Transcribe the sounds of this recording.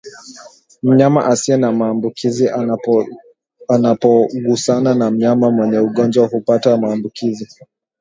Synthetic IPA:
m̩ɲama̰ʔasiɛnamaːmbukʰizi | anapɔɠusananam̩ɲamamwɛɲɛuɠɔnd͡ʒwahupatamaːmbukizi

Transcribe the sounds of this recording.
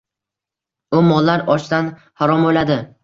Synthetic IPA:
ʊmɒlˠːaɾɒt͡ʃd̪an | haɾɒmojlad̪ɪ

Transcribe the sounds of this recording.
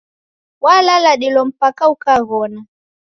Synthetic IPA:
walalaɗilɔm̩pakaukaɣɔna

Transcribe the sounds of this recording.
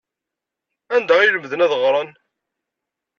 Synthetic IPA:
ænd̪æijləmðənæðʁɾˤɑn

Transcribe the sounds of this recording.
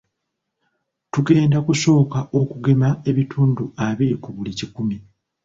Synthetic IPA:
tuɡe̞ːndakuso̞ːkaʔo̞kuɡe̞mae̞βitʰuːnduaβiɾikuβulicikumi

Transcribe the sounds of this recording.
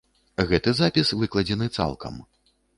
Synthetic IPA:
ɣɛt̪ɨzapʲisvɨklˠɐd͡zʲɛnɨt̪sa̰lˠkɐ̰m

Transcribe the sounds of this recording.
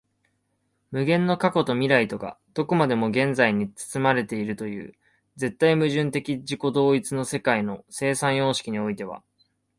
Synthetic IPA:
mɯ̟ɡẽ̞nːo̞kako̞t̪o̞mʲiɾait̪o̞ɡa̰d̪̥o̞komad̪e̞mo̞ɡẽ̞nd͡zaiɲ̟it͡sɨ̥t͡sɨmaɾe̞t̪e̞iɾɯ̟t̪o̞jɯ̟̰ː | d͡ze̞t̪ːaimɯ̟ʑɨ̃nt̪e̞kʲid͡ʑiko̞d̪o̞ːit͡sɨno̞se̞kaino̞se̞ːsãɰ̃jo̞ːɕi̥kʲiɲ̟io̞it̪e̞βa̰

